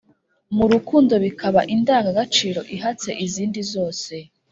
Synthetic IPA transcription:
muɾukuːndo̞βikʰaβaʔindaːŋɡaɡat͡ʃiːɾo̞ʔiɦat͡se̞ʔiziːndizo̞ːse̞

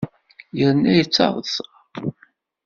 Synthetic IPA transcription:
jəɾnæjət͡sːɑ̰ðˤəθ

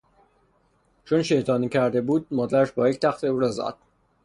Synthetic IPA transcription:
t͡ʃʰonʃejt̪ʰɒːniːcʰæɾd̪e̞buːd̪̚mɒːd̪æɾæʃbɒːjecʰt̪ʰæxt̪ʰe̞uːɾɒzæ̰d̪̥

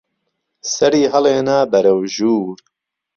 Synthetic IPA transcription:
sɐɾiːɦɐleːnaːbɐɾɐwʒuːɾ

